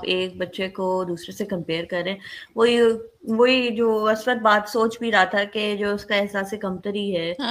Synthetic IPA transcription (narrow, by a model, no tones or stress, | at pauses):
peːk̚bɐtːʃekod̪uːsɾesekɐ̃mpeːɾkɐɾːẽːʋoːiʋoːid͡ʒoːɐsbət̪̚baːt̪soːt͡ʃbʱiɾɐɦat̪ʰaked͡ʒoːʊskaɛɦsaːsekɐmt̪əɾiɦɛː